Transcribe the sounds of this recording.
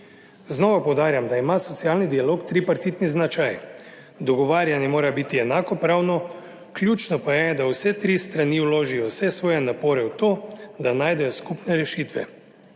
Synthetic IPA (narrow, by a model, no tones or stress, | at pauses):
znɔːʋapɔwd̪aːɾjamd̪aimasɔt̪siaːlnid̪ialoːkt̪ɾipaɾt̪it̪niznat͡ʃaj | d̪ɔɡɔʋaːɾjanjɛmoːɾabit̪iɛnaːkɔpɾawnɔ | klʲjuːt͡ʃnɔpajɛd̪awsɛt̪ɾist̪ɾaniwloːʒijɔwsɛsʋɔːjɛnapoːɾɛwt̪oːd̪anaːjd̪ɛjɔskupnɛɾɛʃit̪ʋɛ̰